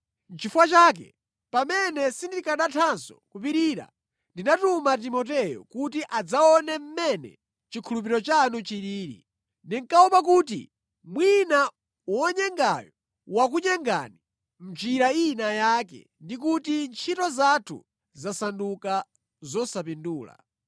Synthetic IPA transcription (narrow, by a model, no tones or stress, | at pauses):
nt͡ʃʰifwat͡ʃaːk̬ɛ̰ | pamɛnɛsindikaɗatʰansɔ̥kupiɾiːɾa̰ | ndinatumat̬imɔt̬ɛjɔ̰kutiʔad͡zaɔnɛm̩mɛnɛ̰ | t͡ʃikʰulup̬iɾɔt͡ʃanut͡ʃiɾiːɾḭ | ndiŋkaupakuːtḭ | mwina | wɔɲɛŋɡajɔ | wakuɲɛŋɡa̰ni | m̩t͡ʃiɾainajaːkɛ̰ | ndik̬utint͡ʃʰitɔzatʰṵ | zasanduka | zɔsapinduːla̰